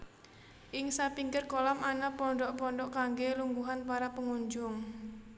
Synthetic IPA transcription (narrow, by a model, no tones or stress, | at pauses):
ʔɪŋsapiŋɡɪrkolamanapɔɳɖɔʔpɔɳɖɔʔkaŋɡeluŋɡuɦanpaɾapəŋuɲd͡ʒʊŋ